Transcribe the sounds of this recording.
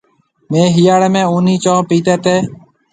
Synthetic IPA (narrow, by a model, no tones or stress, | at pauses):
mẽːɦiːjaːɽeːmẽːuːniːt͡ʃõːpiːt̪eːt̪eː